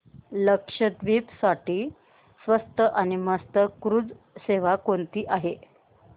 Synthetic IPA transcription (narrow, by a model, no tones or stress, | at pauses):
ləkʂəd̪ʋiːpsaʈiː | sʋəst̪əʔaɽ̃iməst̪əkɾud͡z | seʋ̤akont̪iːʔaɦe